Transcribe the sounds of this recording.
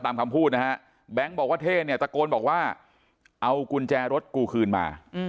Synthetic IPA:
t̪aː˧mkʰa˧mpʰuː˥˩t̪̚na˦˥ka˦˥ʔ | bɛ˦˥˩ŋbɔː˨˩k̚waː˥˩t̪ʰeː˥˩ni˥˩ɐt͡ɕ̪a˨˩koː˧nbɔː˨˩k̚waː˥˩ | ʔa˧wku˧nt͡ɕɛː˧ɾo˦˥t̪̚kuː˧kʰɯː˧nma̰ː˧

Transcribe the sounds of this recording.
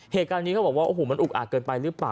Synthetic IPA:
heː˨˩t̪̚kaː˧nːi˦˥kʰa˦˥bɔː˨˩k̚wːʔoː˧ɦoː˨˩ma˧nʔu˨˩k̚ʔaː˨˩kɤː˧npa˧jɾɯ˦˥plaː˨˩

